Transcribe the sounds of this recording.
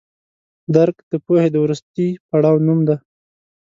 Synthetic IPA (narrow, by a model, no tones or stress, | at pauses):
d̪aɾkd̪̥əpohed̪əwɾust̪ipaɽɑwnumd̪a